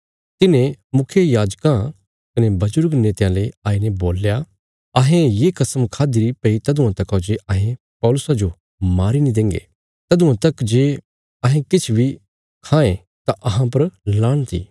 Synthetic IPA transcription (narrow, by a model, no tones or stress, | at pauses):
t̪ɪnẽmʊkʰjejaːd͡ʒkã | kɐnebɐd͡ʒʊɾɡneːt̪jãleaːiːneboːlja | ɐɦẽjekɐsəmkʰaːd̪iɾipɐit̪ɐd̪ũãt̪ɐkod͡ʒeʔɐɦẽ | pɔːlʊsad͡ʒo | maːɾinĩd̪ẽːŋɡḛ | t̪ɐd̪ʊ̃ãt̪ɐkd͡ʒeː | ɐɦẽkɪt͡ʃʰbʱi | kʰãːẽ | t̪aʔɐɦãp̬ɐɾlaːɽ̃t̪ḭː